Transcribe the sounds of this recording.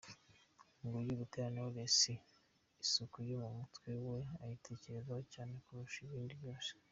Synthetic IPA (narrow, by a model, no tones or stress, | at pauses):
ŋɡujuβuteɾaneoβesiː | sukujumumutwe̞weajitʰe̞ce̞ɾezahocaːne̞kuɾuʃiβiːndiβjo̞ːse̥